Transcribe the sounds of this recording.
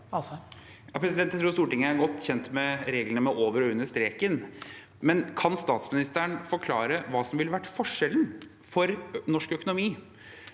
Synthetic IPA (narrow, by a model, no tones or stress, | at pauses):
jɑːpʰɾɛsɪd̪ɛnt̪jæt̪ɾuːɾst̪uːʈɪŋːəæɾɡɔt̪ːçɛnt̪mɛɾeːɡlənəmɛʔoːʋəɾɔʉnːəʂt̪ɾeːkən | mɛnkʰɑnst̪ɑːt̪smɪnɪst̪əəɳfɔɾkʰlɑːɾəʋɑːsɔmʋɪləʋæʈːfɔʂɛlən | fɔɾnɔʂkœkʊnʊmiː